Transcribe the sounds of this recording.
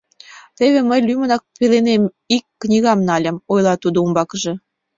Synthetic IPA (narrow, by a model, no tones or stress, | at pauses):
t̪eβeməjlʲymənɑk̚pelenem | ikːnʲiɣɑmnɑlʲə̆mojlɑt̪ud̪oumbɑkəʒɤ̆